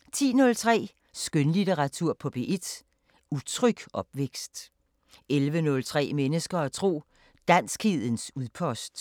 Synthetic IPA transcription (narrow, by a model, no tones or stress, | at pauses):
t͡sʰḭːnɔ̽lt͡sʰʁɛ̰ː | sɡ̥ønlit͡seʁɑ̈t͡sʰuɐ̰pʰɒ̽b̥e̝̰ʔe̝d̥ | ut͡sʰʁœɡ̥ʔɒ̽b̥ʋeɡ̥sd̥ | elʋənɔ̽lt͡sʰʁɛ̰ːmenəsɡ̥ɐɒt͡sʰʁo̝̰ː | d̥æn̰sɡ̥hið̰ˠən̩suðˠpʰɒ̽sd̥